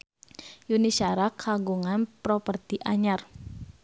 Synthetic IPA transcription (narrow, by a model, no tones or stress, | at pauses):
junisaɾakʰaɡuŋanpɾɔpərt̪iʔaɲar